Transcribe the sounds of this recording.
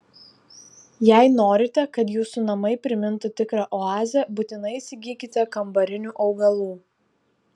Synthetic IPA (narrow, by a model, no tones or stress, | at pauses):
jæɪnoːɾʲɪt̪ʲɛkɐt̪juːsunɐmɐɪpʲɾʲɪmʲɪnt̪ʊt̪ʲɪkɾɑʔɔɑːzʲɛbut̪ʲɪnɐɪsʲɪɡʲiːkʲɪt̪ʲɛkɐmbɐɾʲɪnʲuːʔɒʊɡɐlˠuː